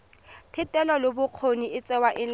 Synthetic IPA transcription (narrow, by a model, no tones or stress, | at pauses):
tʰɪtʼɛlɔlobʊq͡χʰoniɪt͡sʼɛwaʔɪl